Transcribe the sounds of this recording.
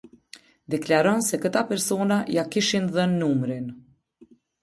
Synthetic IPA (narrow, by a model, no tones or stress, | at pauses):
d̪ɛklaɾɔnsɛkət̪apɛɾsɔnajakiʃinðənːumɾin